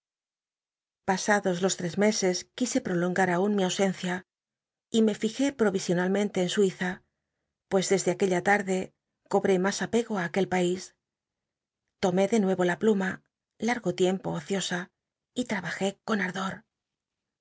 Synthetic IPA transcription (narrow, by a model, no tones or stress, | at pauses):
pasaðo̞zlo̞st̪ɾe̞zme̞se̞skise̞pɾo̞lo̞ŋɡaɾaunmiawse̞nθja | ime̞fixe̞pɾo̞βisjo̞nalmẽnt̪e̞ːnswiθa | pwe̞zðe̞zðeake̞ʎat̪aɾðe̞ | ko̞βɾe̞masape̞ɣoaːke̞lpais | t̪o̞me̞ðe̞nwe̞βo̞lapluma | laɾɣo̞t̪je̞mpo̰ːθjo̞sa | it̪ɾaβaxe̞ko̞naɾðo̞ɾ